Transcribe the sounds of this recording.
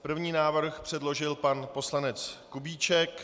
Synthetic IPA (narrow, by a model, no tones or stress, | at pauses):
pr̩vɲiːnaːvr̩xpr̝̥ɛdlo̞ʒɪlpanpo̞slanɛt͡skubiːt͡ʃɛk